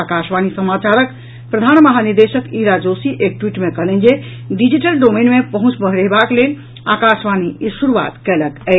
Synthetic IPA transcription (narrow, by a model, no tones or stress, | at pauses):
akasʋanisəmat͡ʃaɾək | pɾəd̪ʱanməɦaniɾd̪eʃəkiɾad͡ʒosiʔek̚ʈwiʈmekəɦlɛnd͡ʒe | ɖid͡ʒiʈəlɖomenmepəɦũt͡ʃbəɦɾeɦbaklel | akasʋanisuɾuʋa̰t̪kɛləkɛ